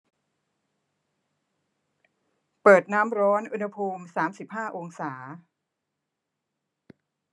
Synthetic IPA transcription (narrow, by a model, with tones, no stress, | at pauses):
pɤː˨˩t̪̚naː˦˥mɾɔː˦˥nʔu˧nha˧pʰuː˧msaː˩˦msi˨˩p̚haː˥˩ʔo˧ŋsaː˩˦